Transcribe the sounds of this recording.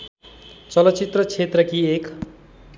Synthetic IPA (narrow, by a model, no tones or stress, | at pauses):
t͡sʌlʌt͡sit̪rʌt͡sʰet̪rʌkiek